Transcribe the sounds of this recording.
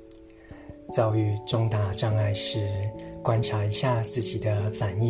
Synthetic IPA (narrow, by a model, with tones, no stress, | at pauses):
t͡sɑ˥˧ʊy˥˧ʈ͡ʂʊ˥˧ŋt̪a˥˩ʈ͡ʂɑ˥˧ŋa˥˧ɪʂɻ̩˥˩kwa˦nʈ͡ʂʰa˧˥i˧˥ɕja˥˧t͡sɹ̩˥˩t͡ɕi˨˩d̪ə˦fa˨˩ni˥˩